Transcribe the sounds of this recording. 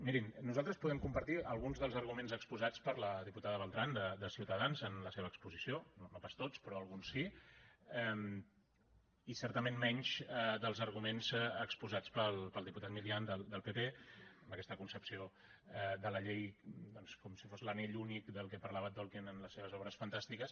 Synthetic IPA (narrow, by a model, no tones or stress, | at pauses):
miɾinnːuzalˠt̪ɾəspuðɛmkumpəɾt̪iəlˠɣunzðəlˠzəɾɣumenzəkspuzat͡spəɾləðiput̪aðəβəlˠt̪ɾand̪əd̪əsiwt̪əðanzənləseβəːkspuzisiononopast̪ot͡spɾɔəlˠɣunsːi | ɛm | isɛɾt̪əmenmɛɲʃəd̪əlˠzəɾɣumenzəkspuzat͡spəlˠpəlˠd̪iput̪at̪̚miliand̪əld̪əlˠpepeəmbəkɛst̪əkunsəpsio | ɛd̪ələʎejd̪ɔnskɔmsifozləneʎunikd̪əlˠkɛpərlaβət̪ɔlˠkinənləsːeβəzɔβɾəsfənt̪ast̪ikəs